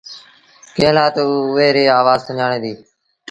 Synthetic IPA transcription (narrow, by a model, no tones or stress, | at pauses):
kẽːlaːt̪ːʊʋeːɾeːaːʋaːzt̪ʰəɲaːɳẽːd̪iː